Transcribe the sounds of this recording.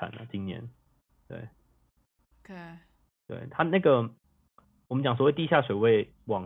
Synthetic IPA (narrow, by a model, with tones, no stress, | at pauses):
a̰˨˩˦nə̰˨t͡ɕi˦ŋnjɛ̰˧˦n | t̪wḛ˥˩ɪ | kʰe | t̪wḛ˥˩ɪt̪ʰa˦na˥˩ɡə˩ | wɔ˨mə˦nt͡ɕjɑ˨ŋs̬wɔ˨˦we˥˨ɪt̪i˥˧ɕja˥˩ʂwe˨˩ɪwe˥˩ɪ | wɑ˨˩ŋ